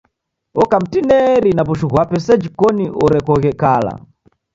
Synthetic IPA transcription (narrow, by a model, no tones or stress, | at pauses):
ɔkam̩tinɛɾinapuʃuɣwapɛsad͡ʒikɔniʔɔɾɛkɔkɛkaːla̰